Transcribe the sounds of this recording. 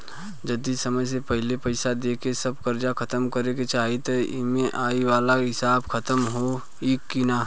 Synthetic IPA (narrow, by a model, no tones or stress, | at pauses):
d͡ʒɐd̪isɐməjs̬epɐɦɪlepɐɪsad̪eːkesɐb̚kɐɾd͡ʒakʰɐt̪əmkɐɾeket͡ʃaːɦit̪ɐɪ̰mẽʔaːiwaːlaɦɪsaːbkʰɐt̪əmɦo | iːkːinaː